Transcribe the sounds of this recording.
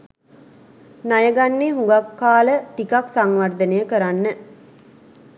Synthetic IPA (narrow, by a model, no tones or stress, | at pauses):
najəɡanːeːɦuŋɡakːaːləʈikaksaŋʋard̪ənəjəkəɾanːə